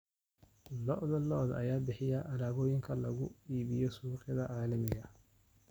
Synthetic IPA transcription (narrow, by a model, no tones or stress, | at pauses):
lɔʔðɐlɔd̪ɐ̰jaːbɪħɪjɐʔɐɾaːɣɔːjɪŋkʰɐlɐɣʊ̰iːβɪjɔsuːqɪðɐʕaːlɐmɪɣɐ